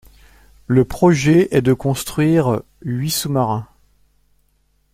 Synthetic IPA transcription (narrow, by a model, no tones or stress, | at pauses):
ləpχɔʒɛɛd̪əkɔ̃st̪χɥiʁ | ɥisumaʁɛ̃